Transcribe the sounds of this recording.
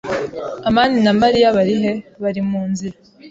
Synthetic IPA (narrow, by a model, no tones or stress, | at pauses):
amaninamaɾijaβaɾiɦe̞βaɾimuːnziɾa